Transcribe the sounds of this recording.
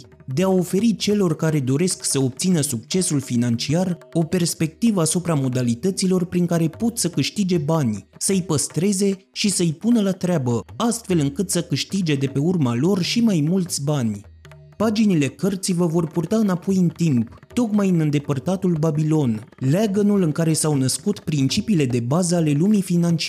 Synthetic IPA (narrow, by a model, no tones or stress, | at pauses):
d̪e̞ao̞fe̞ɾit͡ʃe̞lo̞rkaɾe̞d̪o̞ɾe̞sksəo̞b̚t̪sinəsuk̚t͡ʃe̞sulfinant͡ʃiaro̞pe̞rspe̞k̚t̪ivəasupɾamo̞d̪alit̪ət̪silo̞rpɾiŋkaɾe̞po̞t̪səkɨʃt̪id͡ʒe̞banʲsəɨjpəst̪ɾe̞ze̞ | ʃisəɨjpunəlat̪ɾeabəast̪fe̞lɨŋkɨt̪səkɨʃt̪id͡ʒe̞d̪e̞pe̞urmalo̞rʃimajmult̪sʲbanʲ | pad͡ʒinile̞kərt̪sijvəvo̞rpurt̪aɨnapo̞jɨnt̪imp | t̪o̞kmajɨnɨnd̪e̞pərt̪at̪ulbabilo̞nlaɡənulɨŋkaɾe̞sawnəskut̪pɾint͡ʃipiːle̞d̪e̞bazəale̞lumifinant͡ʃi